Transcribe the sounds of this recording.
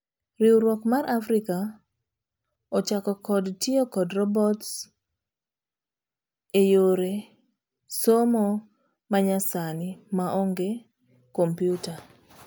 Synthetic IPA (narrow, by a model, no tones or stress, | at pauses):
ɾɪwɾwɔkmaɾʔafɾɪka | ɔt͡ʃakɔkɔdtiokɔdɾɔbɔts | ejoɾe | somɔ | maɲasanɪmaʔɔŋɡe | kompjuta